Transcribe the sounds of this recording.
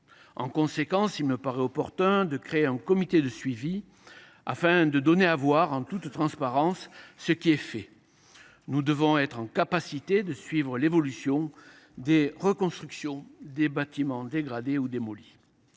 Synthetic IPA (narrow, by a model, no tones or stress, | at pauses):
ɑ̰̃kɔ̃sekɑ̃silməpaʁɛɔpɔʁt̪ɛ̃d̪əkχeeɛ̃kɔmit̪ed̪əsɥivi | a̰fɛ̃d̪əd̪ɔneavwaʁɑ̃t̪ut̪t̪ːχɑ̃spaʁɑ̃sːəkʲiɛfɛ | nud̪əvɔ̃ɛt̪χɑ̃kapasit̪ed̪əsɥivʁəlevɔlysjɔ̃ | d̪eʁəkɔ̃st̪χyksjɔ̃d̪ebat̪imɑ̃d̪eɡʁad̪eud̪emɔli